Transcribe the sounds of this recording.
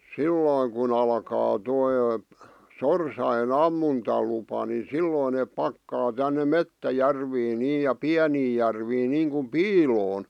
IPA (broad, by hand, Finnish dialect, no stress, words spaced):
silːoˑĭŋ kun ɑlkɑː toi sorsɑjen ɑmːuntɑlupɑ ni silːoˑĭn neːp pɑkːɑː tænːe metːæjærʋiːn niː jɑ piæniː jærʋiːn niːŋkum̆ piːloːn